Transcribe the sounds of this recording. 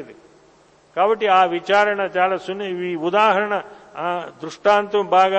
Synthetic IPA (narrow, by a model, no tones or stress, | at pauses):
id̪i | kaːbɐʈːiaːʋit͡ʃaːɾɐɳɐt͡ʃaːlasunːɐʋiːud̪aːɦɐɾɐɳɐ | d̪ɾuʂʈaːnt̪ʋɐmbʱaːɡa